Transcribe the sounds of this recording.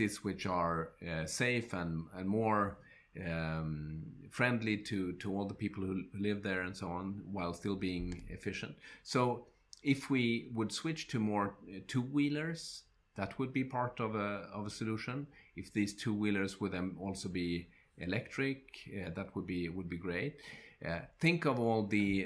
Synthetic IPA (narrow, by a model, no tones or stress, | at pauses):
iswɪt͡ʃə˞seɪfə̃nə̃nmɔɹ | fɹɛ̃ndˡliɾʰɨɾʰəɔlˠðəpipl̩ˠhuhlɪvðə˞ɨ̃nsoʊɑ̃nwaɪlˠstɪlˠbiɪ̃ŋɪ̰fɪʃɨ̃ntsoʊ | ɪfwiwəd̥swɪt͡ʃtʰɨmɔɹtʰuwilˠə˞z̥ | ðət̚wəd̚bipʰɑɹɾʌvəʌvəsɨluʃə̃nɨfðiz̥tʰuwilˠə˞zwəd̪̚ðɨ̃mɔlˠsoʊbi | ɪlɛk̚tɹ̥ɪkðɨt̚wəd̚biwəd̚biɡɹeɪt̪̚ | θɪ̃ŋkʌvɔlˠðɨ